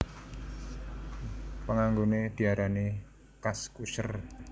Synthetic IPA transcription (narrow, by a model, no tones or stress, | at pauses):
pəŋaŋɡoned̪̥i̤aɾane | kaskuʃə̰r